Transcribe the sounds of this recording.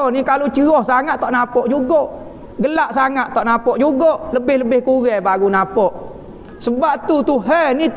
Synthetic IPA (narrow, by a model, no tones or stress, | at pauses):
nikalot͡ʃəɣɔhsaŋat̪ːɔʔnapɔʔd͡ʒuɡɔʔ | ɡəlaʔsaŋat̪t̪ːɔʔnapɔʔd͡ʒuɡɔʔləbɪhləbɪhkuɣɛbaɣunapɔʔ | səbap̚t̪ut̪uɦɛnit̪